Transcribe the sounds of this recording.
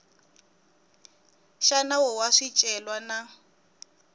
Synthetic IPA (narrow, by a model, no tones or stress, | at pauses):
ʃanawɔwaʂit͡ʃʼɛlwana